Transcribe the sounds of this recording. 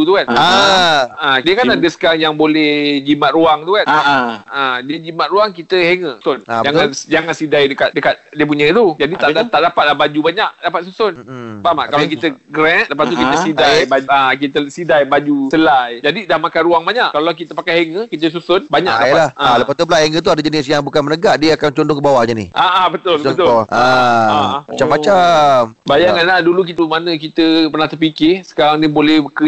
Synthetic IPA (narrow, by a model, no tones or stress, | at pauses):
ut̪ukan | ãdiəkanadəsə̥kaŋjaŋbolɛhd͡ʒimat̪ʔ̪rɾuaŋt̪ukanadiəd͡ʒimat̪̚ɾuaŋkit̪əɦeŋəsʊnd͡ʒaŋand͡ʒaŋansidajdəkat̪̚dəkat̪̚diəp̬uɲə̃t̪ud͡ʒadit̪aat̪aʔdapat̪̚lahbad͡ʒubaɲaʔdapat̪̚susʊnbama̰ʔkalakit̪əɡɾɛnləpaukit̪əsidajbaak̬it̪əsidajbad͡ʒusəlajd͡ʒadidahmakanɾuaŋbaɲaʔkalakit̪əpakajheŋəkit̪̬əs̬usʊnbaɲa̰k̚dalahaalapat̪upəlaʔheŋət̪̬uadad͡ʒənɪsjaŋbukanmənəɡaʔdiəakant͡ʃɔndʊŋkəbawaʔɲanihʔaʔabət̪ʊlət̪ʊɔʔa | mat͡ʃamːat͡ʃambajaŋanlahduluk̬it̪əmanə̃k̬it̪əpərnaht̪əpikɪsə̥kaɾaŋnibolɛhkə